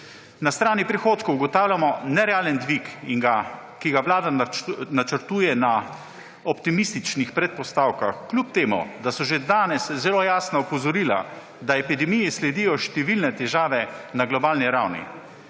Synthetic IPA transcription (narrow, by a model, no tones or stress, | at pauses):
nast̪ɾaːnipɾixoːt̪kowuɡɔt̪aːwlʲjamɔnɛɾɛaːlənd̪ʋikiŋɡa | kiɡaʋlaːd̪anat͡ʃəɾt̪uːjɛna | ɔpt̪imist̪it͡ʃnixpɾɛt̪̚pɔst̪aːwkaxklʲup̚t̪eːmṵd̪asɔʒed̪aːnɛszɛloːjaːsnaɔpɔzɔɾiːla̰ | d̪aɛpid̪ɛmijɛslɛd̪ijɔʃt̪ɛʋilnɛt̪ɛʒaːʋɛnaɡlɔbaːlniɾawnḭ